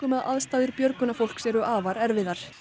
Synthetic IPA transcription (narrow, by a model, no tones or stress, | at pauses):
ʏmaða̰ðst̪aːðʏɾpjœɾkʏnafowl̥ksɛɾʏʔaːvaɾɛɾvɪðaɾ̥